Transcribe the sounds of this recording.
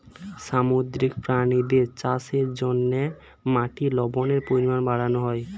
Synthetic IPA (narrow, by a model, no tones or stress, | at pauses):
ʃamod̪ɾikpɾanid̪eɾt͡ɕaseɾd͡ʑonːe | maʈilɔboneɾpoɾimanbaɽanoɦɔe